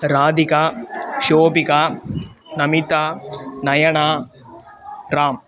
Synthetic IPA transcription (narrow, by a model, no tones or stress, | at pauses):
ɾaːd̪ikaːʃoːpikaːnɐmit̪anɐjɐɳaː | ɾaːm